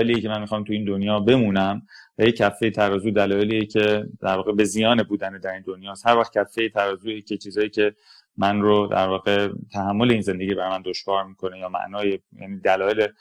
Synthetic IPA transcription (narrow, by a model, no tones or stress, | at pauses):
eliːjecʰemænmixɒːmt̪ʰuiːnd̪onjɒːbe̞muːnæmvæjecʰːæfːe̞jet̪ʰæɾɒːzuːd̪ælɒːje̞liːjecʰe̞d̪æɾvɒːɣebe̞zijɒːnebuːd̪æned̪æɾiːnd̪o̞njɒːst̪hæɾvæχcʰæfːejet̪ʰæɾɒːzuːjecʰet͡ʃʰiːzɒːjiːcʰe̞ | mænrod̪æ̰ɾvɒːɣe̞t̪ʰæɦæmːo̞le̞iːnze̞nd̪e̞ɟiːæɾmænd̪o̞ʃvɒːɾmiːkʰo̞nejɒːmæ̰ʔnɒːjejæ̰ːniːd̪ælɒːjele